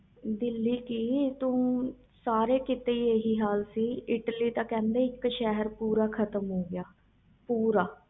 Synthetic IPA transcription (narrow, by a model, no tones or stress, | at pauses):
d̪ɪlːiːkiːt̪ũː | saːɾeːkɪt̪eːieːɦiːɦaːlsiːɪʈliːt̪ãːkɛ̃ːnd̪eːɪkʃɛɦəɾpuːɾaːkʰət̪əmɦoːɡɪjaː | puːɾaː